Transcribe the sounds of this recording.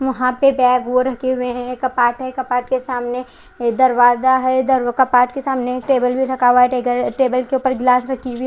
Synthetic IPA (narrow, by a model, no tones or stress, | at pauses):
ʋɐɦãpebɛːɡʋoɾɐkʰeɦʊeɦɛ̃kɐpaːʈɦɛkɐpaːʈkesaːmne | d̪ɐɾʋaːzaɦɛd̪ɐɾkɐpaːʈkesaːmneʈeːbəlbʱiɾɐkaːʋaɦɛeʈeːbəlkeuːpəɾɡlaːsɾɐkʰiɦʊi